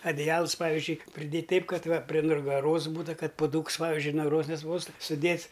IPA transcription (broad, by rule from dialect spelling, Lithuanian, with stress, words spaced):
ɐdʲɪˈjɛlˠs ˈpɑːʋʲɪzʲd͡ʒʲʊɪ pʲrʲɪˈdʲeːtʲ ˈtʲɛɪp ˈkɐt ˈʋɐ pʲrʲɪ nʊɡɐˈroːs ˈbuːtʊ ˈkɐt pʊˈduːks ˈpɑːʋʲɪzʲd͡ʒʲʊɪ nʊɡɐˈroːs nʲɛˈspɐʊstuː sʊˈdʲeːts